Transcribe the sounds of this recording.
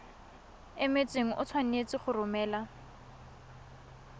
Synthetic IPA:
ɪmet͡sʼweŋ̩ʔʊ̰t͡sʰwan̩et͡sʼɪχʊrʊmɛːla

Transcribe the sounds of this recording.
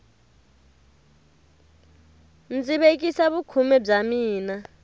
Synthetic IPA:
nt͡siɓek̬ʼisaβukʰumɛb͡ʐamiːna

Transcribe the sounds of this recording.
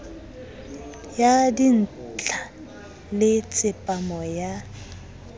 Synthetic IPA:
jadin̩t͡ɬʼa | lɪt͡sʼɪpʼamɔja

